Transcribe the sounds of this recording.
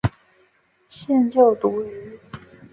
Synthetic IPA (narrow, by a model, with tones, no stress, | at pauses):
ɕjɛ˥˧nt͡ɕjo˥˩ʊt̪u˧˥y˧˥